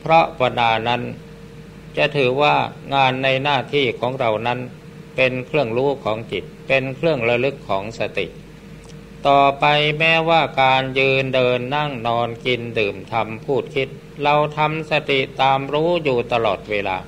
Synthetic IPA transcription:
pʰɾɔ˦˥ʔpa˧naː˧na˦˥n | t͡ɕa˨˩ʔt̪ʰɯː˩˦waː˥˩ŋaː˧nːa˧jnaː˥˩t̪ʰiː˥˩kʰɔː˩˦ŋɾa˧wna˦˥n | pe˧nkʰɾɯ˥˩əŋɾuː˦˥kʰɔː˩˦ŋt͡ɕi˨˩t̪̚pe˧nkʰɾɯ˥˩əŋɾa˧lɯ˦˥kʰːɔː˩˦ŋsa˧t̪ḭ˨˩ʔ | t̪ɔː˨˩pa˧jmɛː˦˥waː˥˩kaː˧njɯː˧ndɤː˧nːa˥˩ŋnɔː˧nki˧ndɯː˨˩mt̪ʰa˧mpʰuː˥˩t̪̚kʰi˦˥t̪̚ | ɾa˧wt̪ʰa˧msa˧t̪i˨˩ʔt̪aː˧mɾuː˦˥juː˨˩t̪a˧lɔː˨˩t̪̚weː˧la̰ː˧

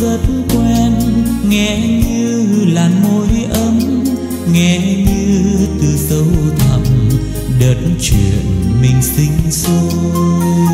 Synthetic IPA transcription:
zə˨˩t̚n̩kwɛ˧nŋɛ˧˩˦ɲɨ˧laː˨˩nmo˧˦jʔə˧˦m | ŋɛ˨˧˩ɲɨ˧t̪ɨ˨˩sə˨˦wt̪ʰə̰˧˨ŋ͡m | ɗəː˨˩t̚nt͡ɕwḭ˧˨ənmï˨˩ŋ̟sï˧ŋ̟so˧

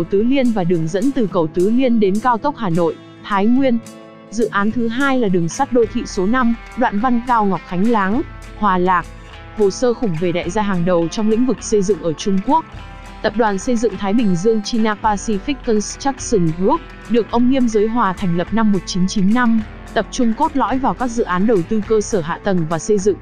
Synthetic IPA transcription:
ə˩wt̪ɨ˨˦li˧ənvaː˨˩ɗɨ˨˩əŋzə̰˧˥nt̪ɨ˨˩kə˨˩wt̪ɨ˨˦li˧ənɗe˨˦nkaː˧wk̪ə˦˥k͡p̚haː˨˩no̰˧˨j | t̪ʰaː˨˦jŋwi˧ən | zɨ̰˧˨ʔaː˨˦nt̪ʰɨ˨˦ɦaː˧jlaː˨˩ɗɨ˨˩əŋsa˦˥t̚ɗo˧t̪ʰḭ˧˨so˨˦na˧m | ɗwa̰ː˧˨nva˧nkaː˧wŋɔ˨˩p̚xʰa˨˦jŋ̟laː˨˦ŋ | hwaː˨˩laː˨˩k̚ | vo˨˩səː˧xʊ˧˩ŋ͡mve˨˧˩ɗa̰ː˧˨jzaː˧ɦaː˨˩ŋɗə˨˩wt͡ɕɔ˧wŋ͡mlḭ˧˥ŋ̟vɨ˨˩k̚sə˧jzɨ̰˧˨ŋʔəː˧˩t͡ɕʊ˧ŋ͡mku˦˥ək̚ | t̪ə˨˩p̚ɗwaː˨˩nsə˧jzɨ̰˧˨ŋt̪ʰaː˨˦jɓï˨˩ŋ̟zɨ˧əŋt͡ɕi˧naː˧paː˧si˧fi˦˥k̚kːə˧nst͡ɕa˦˥k̚sɨ˧˩ŋu˦˥ək̚ | ɗɨ˨˩ək̚ʔə˧wŋ͡mŋi˧əmzəː˨˦jɦwaː˨˩t̪ʰɛ˨˩jŋ̟lə˨˩p̚na˧mːo˨˩t̚t͡ɕi˨˦nt͡ɕi˨˦nːa˧m | t̪ə˨˩p̚t͡ɕʊ˧ŋ͡mko˦˥t̚lɔ̰˧˥jvaː˨˩wkaː˦˥k̚zɨ̰˧˨ʔaː˨˦nɗə˨˩wt̪ɨ˧kəː˧səː˧˩ɦa̰ː˧˨t̪ə˨˩nvaː˨˩sə˧jzɨ̰˧˨ŋ

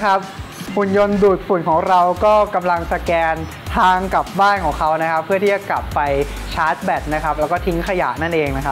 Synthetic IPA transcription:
kʰa˦˥p̚ | hu˨˩njo˧nduː˨˩t̪̚fu˨˩˦nkʰɔː˩˦ŋɾa˧wkɔː˥˩ka˧mla˧ŋsa˧kɛː˧n | t̪ʰaː˧ŋka˨˩p̚baː˥˩nkʰɔː˩˦ŋkʰa˦˥wna˦˥kʰa˦˥pʰːɯ˥˩iː˥˩t͡ɕa˨˩kla˨˩pːa˧j | t͡ɕʰaː˦˥t̪̚bɛ˨˩t̪̚na˦˥kʰa˦˥p̚lɛː˦˥wkɔː˥˩t̪ʰi˦˥ŋkʰa˧ja̰ː˨˩na˥˩nʔeː˧ŋna˦˥kʰa˦˥

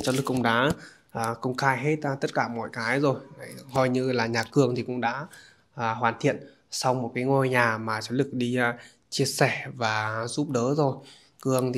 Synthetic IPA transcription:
t͡ɕɔ˨˦lɨ˨˩kːʔʊ̰˧˥ŋ͡mɗa̰ː˧˥ | ʔəː˨˩kə˧wŋ͡mxaː˧jɦe˦˥t̚ːt̪ə˦˥t̚kaː˧˩mɔ̰˧˨jkaː˨˦jzo˨˩jhɔ˧jɲɨ˧laː˨˩ɲaː˨˩kɨ˨˩əŋt̪ʰi˨˩kʊ̰˧˥ŋ͡mɗa̰ː˧˥ | ʔːɦwaː˨˩nt̪ʰḭ˧˨ən | sa˧wmo˨˩t̚kaː˨˦jŋo˧jɲaː˨˩maː˨˩t͡ɕɔ˨˦lɨ˨˩k̚ɗi˧ | t͡ɕi˧əsɛ˧˩vaː˨˩zu˦˥p̚ɗəː˨˦zo˨˩j | kɨ˨˩əŋt̪ʰ

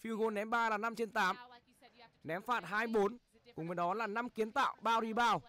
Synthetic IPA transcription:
fi˧wɣo˧nɛ˨˦mɓaː˧laː˨˩na˧mt͡ɕe˧nt̪aː˨˦m | nɛ˨˦mfaː˨˩t̚ɦaː˧jɓo˨˦n | kʊ˨ŋ͡mvəː˨˦jɗɔ˨˦laː˨˩na˧mki˨˦ənt̪a̰ː˧˨wɓaː˧wɾi˧ɓaː˧w

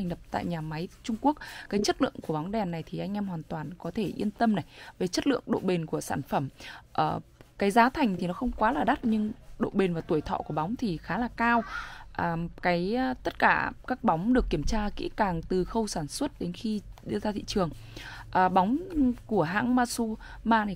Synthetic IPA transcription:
a˨˩jŋ̟lə˨˩p̚t̪a̰ː˧˨jɲaː˨˩ma˨˦jt͡ɕʊ˧ŋ͡mku˦˥ək̚kːaː˨˦jt͡ɕə˦˥t̚lɨ̰˧˨əŋku˧˩əɓa˨˦wŋ͡mɗɛ˨˩nːa˨˩jt̪ʰi˨˩ʔa˧jŋ̟ʔɛ˧mhwaː˨˩nt̪waː˨˩nkɔ˨˦t̪ʰe˧˩ʔḭ˧ənt̪ə˧mna˨˩jve˨˩t͡ɕə˦˥t̚lɨ̰˧˨əŋɗo̰˧˨ɓe˨˩nku˧˩əsa̰ː˧˩nfə˧˩mʔəː˨˩kaː˨˦jzaː˨˦t̪ʰa˨˩jŋ̟t̪ʰi˨˩nɔ˨˦xə˧wŋ͡mkwaː˨˦laː˨˩ɗa˦˥t̚ɲɨ˧ŋɗo̰˧˨ɓe˨˩nvaː˨˩t̪u˧˩əjt̪ʰɔ̰˧˨ku˧˩əɓa˨˦wŋ͡mt̪ʰi˨˩xaː˨˦laː˨˩kaː˧wʔaː˨˩kaː˨˦jt̪ə˦˥t̚kaː˧˩kaː˦˥k̚ɓa˨˦wŋ͡mɗɨ˨˩əkːi˧˩əmt͡ɕaː˧kḭ˧˥kaː˨˩ŋt̪ɨ˨˩xə˧wsaː˧˩nswə˦˥t̚ɗe˨˦nxi˧ɗɨ˧zaː˧t̪ʰḭ˧˨t͡ɕɨ˨˩əŋ | ʔəː˨˩ɓa˨˦wŋ͡mku˧˩əɦa̰ː˧˥ŋmaː˧su˧ | maː˧ni˨˩

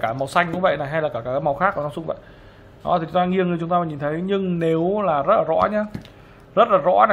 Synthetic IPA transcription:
kaː˧˩ma˨˩wsa˧jŋ̟kʊ̰˧˥ŋ͡mvə̰˧˨jna˨˩jɦa˧jlaː˨˩kaː˧˩kaː˧˩kːaː˨˦m˨˩wxaː˦˥k̚u˧˩nɔ˧wsʊ˧ŋ͡mvə̰˧˨j | ɗɔ̰˨˦t̪i˨˩t͡ɕʊ˨˦ŋ͡mt̪aː˧ŋi˧ənŋɨ˨˩t͡ɕʊ˨˦ŋ͡mt̪aː˧aː˧˨ɲi˨˩nt̪ʰə˨˦jɲɨ˧ŋne˨˦wlaː˨˩zə˦˥laː˨˩ɔ̰˧˥ɲaː˧ | zə˦˥t̚laː˨˩zɔ̰˧˥na˨

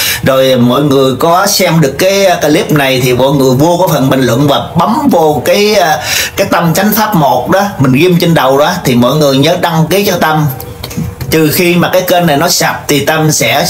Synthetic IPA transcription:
zo˨˩jmɔ̰˧˨jŋɨ˨˩əjkɔ˨˦sɛ˧mɗɨ˨˩əkːaː˨˦jkaː˧li˦˥p̚na˨˩jt̪ʰi˨˩mɔ̰˧˨jŋɨ˨˩əjvu˧əkɔ˨˦fə̰˨˩nɓï˨˩ŋ̟lwə̰˧˨nvaː˨˩ɓa˨˦mvo˨˩kaː˨˦jkaː˨˦jt̪ə˧mka˨˦jŋ̟faː˦˥p̚mo˨˩t̚ɗɔ˨˦m˨˩ŋ̟ɣi˧mt͡ɕe˧nɗə˨˩wɗaː˨˦t̪ʰi˨˩mɔ̰˧˨jŋɨ˨˩əjɲəː˨˦ɗa˧ŋki˨˦t͡ɕɔ˧t̪ə˧m | t͡ɕ̪ɨ˨˩xi˧maː˨˩kaː˨˦jkəː˧nːa˨˩jnɔ˨˦sa˨˩p̚t̪ʰi˨˩t̪ə˧msɛ̰˧˥

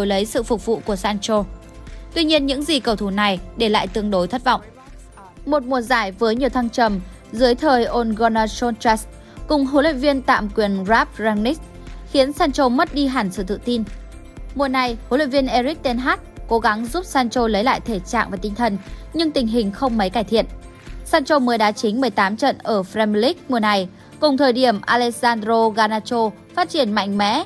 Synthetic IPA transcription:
wlə˨˦jsɨ̰˧˨fʊ˨˩k͡p̚vṵ˧˨ku˧˩əsaː˧nt͡ɕo˧ | t̪wi˧ɲi˧ənɲɨ̰˧˥ŋzi˨˩kə˨˩wt̪ʰu˧˩na˨˩jɗe˧˩la̰ː˧˨jt̪ɨ˧əŋɗo˨˦jt̪ʰə˦˥t̚va̰˧˨wŋ͡m | mo˨˩t̚mu˨˩əzaː˧˩jvəː˨˦jɲi˨˩əwt̪ʰa˧ŋt͡ɕə˨˩m | zɨ˨˦əjt̪ʰəː˨˩jʔo˧nɣɔ˧naː˧sɔ˧nt͡ɕɛ˦˥s | kʊ˨˩ŋ͡mɦo˨˦lwḭ˧˨nvi˧ənt̪a̰ː˧˨mkwi˨˩ənzaː˦˥p̚zaː˧ŋni˦˥k̚ | xi˨˦ənsaː˧nt͡ɕo˧mə˦˥t̚ɗi˧ɦa˨˩nsɨ̰˧˨t̪ɨ̰˧˨t̪i˧n | mu˨˩əna˨˩jho˨˦lwi˧˨nvi˧ənʔe˧ɾi˦˥k̚t̪e˧nɦaː˦˥t̚ko˨˦ɣa˨˦ŋzu˦˥p̚saː˧nt͡ɕo˧lə˨˦jla̰ː˧˨jt̪ʰe˧˩t͡ɕa̰ː˧˨ŋvaː˨˩t̪ï˧ŋt̪ʰə˨˩nɲɨ˧ŋt̪ï˨˩ŋ̟ɦï˨˩ŋ̟xə˧wŋ͡mmə˨˦jkaː˧˩jt̪ʰḭ˧˨ən | saː˧nt͡ɕo˧məː˨˦jɗaː˨˦t͡ɕï˨˦ŋ̟mɨ˨˩əjt̪aː˨˦mt͡ɕə̰˧˨nʔəː˧˩fɾɛ˧mi˧li˦˥k̚mu˨˩əna˨˩j | kʊ˨˩ŋ͡mt̪ʰəː˨˩jɗi˧˩əmʔaː˧lɛ˧˥k̚zaː˧ndɾo˧ɣaː˧naː˧t͡ɕo˧ | faː˦˥t̚t͡ɕi˧˩ənma̰˧˨jŋ̟mɛ̰˧˥

